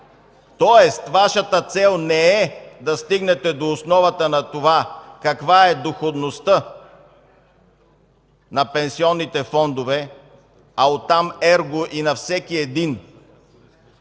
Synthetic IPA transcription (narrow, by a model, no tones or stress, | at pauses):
t̪ɔɛst̪vaʃət̪ət̪sɛlˠnɛɛd̪ɐst̪iɡnɛt̪ɛd̪oːsnɔvɐt̪ənɐt̪ovakɐkvaɛd̪oxod̪nost̪ə | nɐpɛnsiɔnːit̪ɛfɔnd̪ovɛ | aot̪ːamɛɾɡoʔinɐfsɛkiɛd̪in